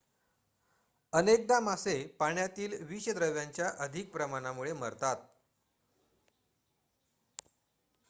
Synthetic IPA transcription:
ənek̚d̪amasepaɳjat̪iːlʋiɕəd̪ɾəʋjaɲt͡ɕjaʔəd̪ʱik̚pɾəmañamuɭemə̰ɾt̪at̪̚

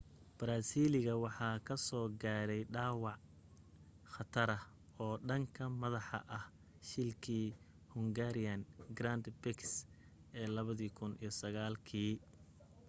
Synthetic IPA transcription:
b̥ɾaːsiːlɪɣɐwɑħɑːkʰɐsɔːɡaːɾɛjɖɑːwɑʕ | χɐt̪ʰɐɾɐ | ɔːɖɐŋkʰɐmɐðɑħɑ̰ʔɐh | ʃɪlkʰiː | hʊŋɡaːɾɪjɐnɡɾaːnd̪bɛks | ʔɛːlɐβɐðiːkʰʊnḭjɞsɐɣaːlkʰiː

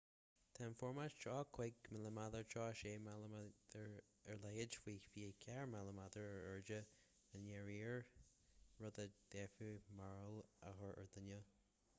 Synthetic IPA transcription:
t̪ʰanfɔɹmaʃt͡ʃɑːkʰwɪɡmələmad̪əɹt͡ʃʰɑːʃeːmalad̪əɹ | əɹlɛɡɪd͡ʒfiːfiːəkʰɛɹmaləmad̪əɹəɹəɹd͡ʒə | ənjɛɹiːɹ | ɹɔd̪əd̪̥ɛfumaɹəlaxəɹə̰ɹd̪ənə

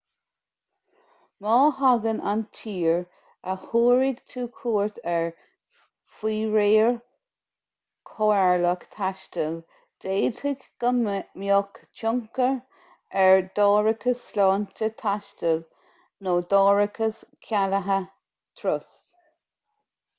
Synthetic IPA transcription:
mɑːhaɡənʔa̰ntʰiːɹ | əhuːɹɪɡtʰuːkʰuːɹt̪ɛɹ | fiːɹeːəɹ | kʰoɛɹləkt̪ʰaʃtəl | d̥eːtʰɪɡɡ̥əmjɔkt͡ʃʰʊŋkəɹ | ɛɹd̪ɑːɹəkʰəslɑːntət̪ʰaʃtəl | noːd̪ɔːɹɪkʰəskʰaləɦə | t̪ʰɾʊs

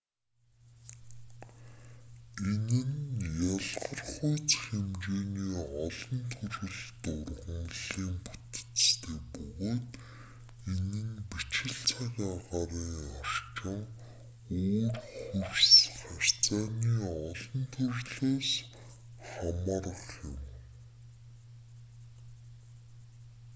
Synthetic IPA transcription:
enɘ̆njaɮʁə̆rχʊjt͡sxemt͡ɕeːniːɔɮɞ̆nt̪ʰɵɾɘ̆ɮt̪ʊrʁə̆mɮiːmput̪̆t͡sst̪ʰeːpɵɣoːt̪ | enɘ̆npit͡ɕɪ̆ɬt͡sʰaɾaʁaːɾiːŋar̥t͡ɕɪ̆ŋ | oːrxursχar̥ʲt͡saːniːɔɮɞ̆nt̪ʰɵrɮoːs | χamarəχʊ̰m

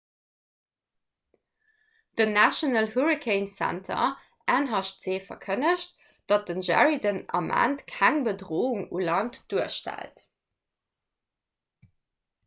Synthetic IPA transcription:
d̥ənæʃonəlhuɹikʰeɪnsæ̰ntʰɐ̰ | ʔæːnɦɑʃtz̥eːfɐ̰kʰənəʃt̚ | d̥ɑt̚d̥ənʒæ̰ɹidənɑ̰mʔæ̰ntkʰæŋbədʁoːuŋulɑntd̥uəʃtæ̰lt

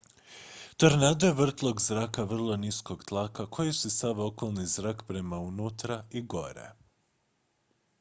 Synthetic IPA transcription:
t̪oɾnad̪ojeʋr̩t̪lˠo̞ɡzɾaːkaʋr̩lˠonisko̞ɡt̪lˠakakʰo̞jisusaʋo̞ko̞lˠnizɾaːkpɾe̞maunuːt̪ɾaiɡo̞ɾḛ

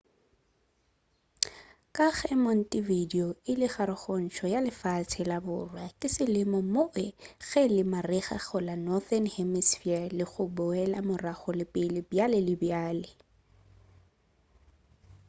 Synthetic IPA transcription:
kʼaɣɛmɔn̩tʼividioɪlɪχaɾʊχɔn̩ʃʰɔjalɪfat͡sʰɪlabʊ̰ːrwakʼɪsɪlɪmɔmoʔɪɣɛlɪmarɪχa̰χʊlanɔθɛnhɛmisfɛlɪχʊbʊɛlamʊraχʊlɪpʼɪlɪbjalɪlɪbjaːlɪ

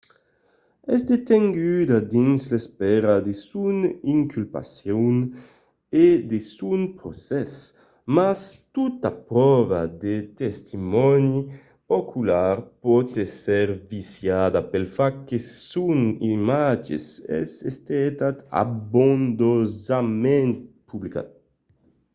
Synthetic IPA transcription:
ɛst̪et̪eŋɡyd̪ad̪inslespɛɾad̪esuniŋkʰylpa̰sjon | ed̪esunpɾosɛs | mast̪ut̪apɾɔva̰d̪et̪est̪ʰimɔni | okʰulaɾpɔt̪esɛɾvisjad̪apelfakːesunimad͡ʒḛsɛ̰sest̪ɛt̪at̪a̰bond̪ozamɛnt̪publika̰t̪̚

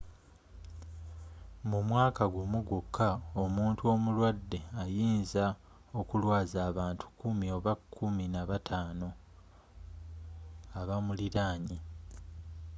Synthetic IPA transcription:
mumwaːkaɡumuɡukʰːao̞muːntuo̞mulwadːe̞ajiːnza | o̞kulwaːzaːβaːntʰu̥kumio̞βakʰːuminaβatʰaːno̞ | aβamuliɾaːɲi

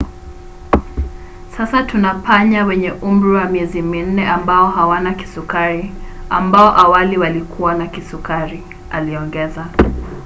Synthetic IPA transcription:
sasatunapaɲawɛɲɛʔum̩ɾuwamiɛzimin̩nɛambaɔɦawanaki̥sukaɾiambaɔʔawaliwalikʰuwanakisukaɾi | a̰liɔŋɡɛza

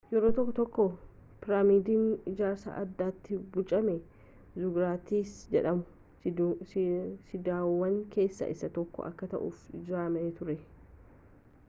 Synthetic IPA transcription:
jɛɾoːt̪ɔkːɔt̪ɔkːɔ | pɪɾaːmiːd̪iːnɪd͡ʒaːɾsa̰ːʔɐd̪ːaːt̪ːɪbʊt͡ʃʼɐmɛ | zʊɡɾaːt̪iːsd͡ʒɛᶑɐmʊ | sɪd̪aːwːɐŋke̞ːsːɐ̰ʔɪsɐt̪ɔkːɔ̰ʔɐ̰kːɐt̪ɐ̰ʔʊ̰ːfɪd͡ʒɪaːmɐeːt̪ʊɾɛ

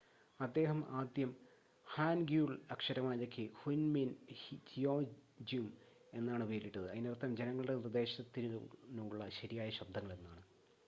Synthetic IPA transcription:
ɐd̪ːe̞ːɦɐmaːd̪jɐm | haːnɡjuːɭɐkʂɐɾɐmaːðokʰːɨhunminhd͡ʑijoːd͡ʑjum | e̞nːaːɳɨpijɾiʈːɐðɨɐðinirt̪ːɐmd͡ʑe̞nɐŋːɐɭɨɽe̞nird̪e̞ːɕɐt̪ːinnuɭːɐɕɐɾijaːjɐɕɐb̚d̪ʱɐŋːɐɭe̞nːaːɳɨ

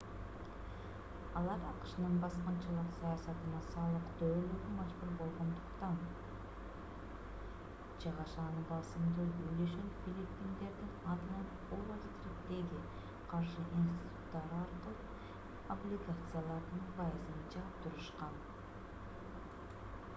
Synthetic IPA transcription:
ɑlˠɑɾɑqɯ̥ʃɯnɯnbɑsqɑnt͡ʃɑlˠɯqsɑjasɑt̪ɯnɑsɑlˠɯqt̪øːlʲyɾymɑd͡ʒbuɾbo̞lˠʁo̞nd̪ʊqt̪ɑn | d͡ʒɑʁɑʃɑnɯbɑsɯmd̪ɯyjløʃenfʲilʲipʲːind̪e̞ɾd̪inɑt̪mɑn | olˠazt̪ɾipt̪e̞ɡi | qʰɑɾʃɨʔinsʲt̪ʲi̥t̪ut̪ːɑɾɑɾqəlˠɯp | oblʲiɡat̪sɨjalˠɑɾd̪ɯnpʰɑjɯzɯnt͡ʃɑt̪uɾɯʃqɑn

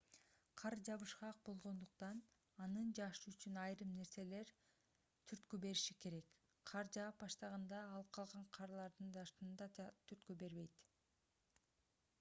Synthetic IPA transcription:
qʰɑɾd͡ʒɑβɯʃqɑq̚bo̞lˠʁo̞nd̪uqt̪ɑn | ɑnɯnd͡ʒɑʃɯyt͡ʃynɑjɾɯmne̞ɾse̞le̞ɾ | t̪ʰyɾt̪kybe̞ɾiʃike̞ɾe̞k | qʰɑɾd͡ʒɑːp̚bɑʃt̪ɑʁɑnd̪ɑːlˠp̚qʰɑlˠʁɑɴqʰɑɾlˠɑɾd̪ɯnd͡ʒɑʃt̪ɯnd̪ɑt̪ʰyɾt̪kybe̞ɾβe̞jt̪

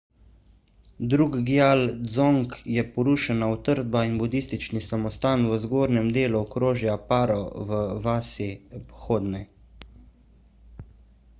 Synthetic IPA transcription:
d̪ɾuːɡɡjald̪zoŋkjɛpɔɾuːʃɛnaɔt̪əɾd̪̚bainbud̪ist̪it͡ʃnisamɔst̪aːnwəzɡoːɾnɛmd̪eːluɔkɾoːʒjapaːɾɔʋəʋaːsipxoːd̪nɛ

